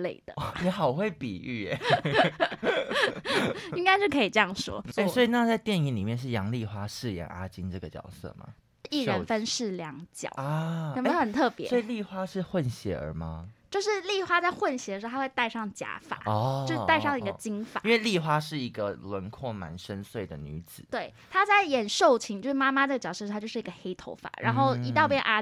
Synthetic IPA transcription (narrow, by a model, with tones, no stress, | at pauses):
le˥˩ɪd̪̥ə˩jɛ˧˥xɑ˨˩ʊxwe˥˩ɪpḭ˨˩y˥˩˨ | i˥ŋka˥ɪt͡ɕjo˥˩ʊkʰɤ˧˥i˨˩ʈ͡ʂɤ˥˧jɑ˥˩ŋʂwɔ̰˥e˥˩swɔ˧˥i˨na˥˧t͡sa˥˧ɪt̪jɛ˥˩ni˧˥˩nli˨˩mjɛ˥˧nʂ̬ɻ̩˥˩jɑ˧˥ŋli˥˨xwa˥ʂɻ̩˥˩jɛ̰˨˥ŋʔa̰˥t͡ɕi˥nʈ͡ʂɤ˥˩ɡə˩t͡ɕjɑ̰˨˩ʊsɤ̰˥˩ma̰˩ | i˥˩ɻə˧˦nfə˦nʂɻ̩˥˩ljɑ˧˥ŋt͡ɕjɑ̰˨˩˦aə˨˩m˧˥xə˨˩nt̪ʰɤ˥˩ppjɛ̰˧˦wɔ˥i˨˩li˥˩xwa˥ʂɻ̩˥˧xwə˥˨nɕjɛ̰˧˥ə̰˞˧˥mɐ̰˧t͡ɕjo˥˧ʊʂɻ̩˥˧li˥˩xwa˥t͡sa˥˧ɪxwə˥˩nɕjɛ˨˧d̪ə˧ʂ̩ʰ˧˥˧a˥wɪt̪a˥˧ɪʂɑ˥˩ŋt͡ɕja̰˧˥fa̰˨˩˦ɔt͡ɕʂ̩˥˧a˥˧ɪʂɑ˥˩ŋ˨i˧ɡə˧t͡ɕi˥ŋfa̰˨i˦nwe˥˧li˥˧˩xwa˥ʂɻ̩˥˩i˧˥ɡə˧lwə˧˥nkʰwɔ˥˩ma̰˧˥nʂə˥nswe˥˩ɪd̪ə̰˩ny˧˥t͡sɹ̩˨˩˦we˥˩ɪ | t̪ʰa˥t͡sa˥˩ɪjɛ˨˩nʂo˥˩ʊt͡ɕʰi˧˥ŋt͡ɕo˥˧ʂ̩˥˧˩ma˥ma˧ʈ͡ʂɤ˥˩ɡə˩t͡ɕɑ˨ʊsɤ˥˧a˥t͡ɕo˥˧ʊʂɻ̩˥˩˧ɡə˧˩xe˥ɪt̪ʰo̰˧˥ʊfa̰˨˩˦ɻa̰˧nxo˥˩ʊi˧˥t̪ɑ˥˧ʊpjɛ̰˥nʔa˥